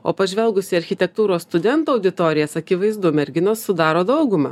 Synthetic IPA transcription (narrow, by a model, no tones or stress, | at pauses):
o̰ːpɐʒʲʋʲɛlˠɡʊsʲɪɐɾʲxʲɪt̪ʲɛk̚t̪uːɾoːsst̪ʊd̪ʲɛnt̪uːɐʊd̪ʲɪt̪oːɾʲɪjɛsɐkʲɪʋɐɪzd̪ʊmʲɛɾʲɡʲɪnoːssʊd̪ɑːɾoːd̪ɐʊɡʊmɑ̰